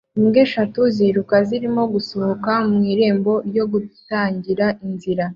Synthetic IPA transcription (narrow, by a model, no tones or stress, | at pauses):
imɡeʃatuziɾukaziɾimo̞ɡusohokamŋiːɾe̞ːmbo̞jo̞ɡutaːɲɟiɾaʔinziɾa